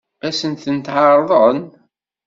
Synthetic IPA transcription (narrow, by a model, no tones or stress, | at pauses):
æsənt̪ənt̪ʕəɾˤðˤən